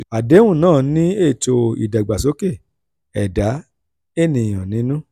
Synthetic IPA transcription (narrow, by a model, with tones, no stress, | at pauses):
a˨de˨˦wũ˦˨nãː˦˨nĩ˦e˦˨t͡ʃo˧ḭ˨da˨ɡ͡ba˨s̬o˨˦ke˦˨ | ɛ˨da˨˦ | e˦˨nĩ˧˨j̃ɔ̃˨nĩ˨˦nũ˦